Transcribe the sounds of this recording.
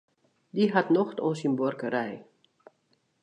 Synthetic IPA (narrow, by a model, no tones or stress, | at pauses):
diɦatnɔxtonsinbɔrkəɾɛj